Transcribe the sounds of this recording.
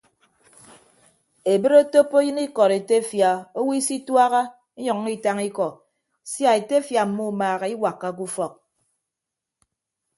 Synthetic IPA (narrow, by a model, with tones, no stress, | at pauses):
e˨bɨ˦ɾo˦to˦pːo˦jɨ˦ni˦kɔ˨ɾe˨te˦fja˨o˦wi˦si˦twa˦ɣa˦ | e˦ɲɔ˨ŋː˦i˦ta˦ŋi˦kɔ˨ | sja˦e˨te˦fja˨m̩˨mu˦˨maː˨ɣe˨i˦wa˨kːa˦k̬u˦fɔ˨k̚